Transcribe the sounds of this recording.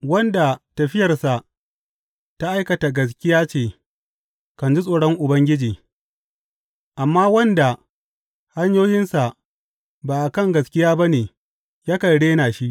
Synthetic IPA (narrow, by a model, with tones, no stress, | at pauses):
wɐ˦nda˨tɐ˨ɸɪ˦jɐ˨rsa˨ʔ | ta˦ʔa˦jkɐ˨ta˨ɡɐ˨s̬kʲɪ˦jaː˦t͡ʃeː˨ | kɐ˨nd͡ʒi˦sʼoː˨ɽɔ˦ŋʔʊ˨bɐ˦ŋɡʲɪ˦d͡ʒiː˨ | ʔa˨mːaː˦wɐ˦nda˨ | ha˦ɲjoː˦jɪ˦nsa˨ | baː˨ʔa˨kɐ˦˨ŋɡɐ˨skʲɪ˦jaː˦ba˦neː˨ | jaː˦kɐ˨ɽeː˦naː˨ʃi˦